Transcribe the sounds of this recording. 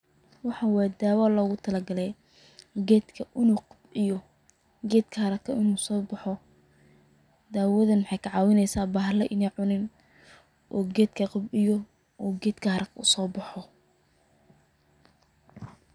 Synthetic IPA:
wɑħɑwɛːd̪aːwaːlɔːɣʊt̪ʰɐlɐɡɐlɛj | ɡɛːd̪kʰɐʔɪnuːqɑbɪjɔ | ɡɛːd̪kʰɐhɐɾɐkʰɐɪnuːsɔːbɑħɔ | d̪aːwɐðɐnmħɑjkʰɐʕɑːwɪnɛjsaːbaːɦlɛʔɪnɛjʕʊnɪn | ʔɔːɡɛːd̪kʰɐqɑbɪjɔ | ɔːɡɛːd̪kʰɐhɐɾɐkʰɐʊsɔːbɑħɔ

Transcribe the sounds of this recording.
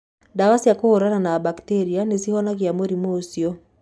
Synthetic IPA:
dawasijakohoɾananabakteɾianesihɔnakjamoɾimosjɔ

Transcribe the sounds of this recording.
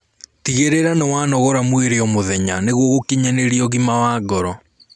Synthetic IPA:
tiɣeɾeɾanɔwanɔɣɔɾamweɾeɔmoðɛɲaneɣwɔɣokiɲɛneɾiɔɣimawaːɡɔɾɔ

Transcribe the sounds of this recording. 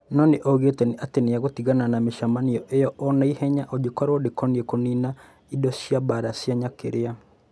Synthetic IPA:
nɔneʔɔɣetɛniateneaɣotiɣananameʃamaniɔʔejɔʔɔnaihɛɲaʔɔd͡ʒekɔɾɔdekɔniɛkɔnina | idɔsiabaɾasjaɲakeɾea

